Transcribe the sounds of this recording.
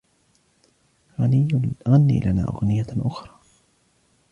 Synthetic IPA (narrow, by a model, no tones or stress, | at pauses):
ɣanɪjːʊlʔaɣanːḭːlʔana̰ːʔa̰ɣnɪjːaʔʊxɾˤɑː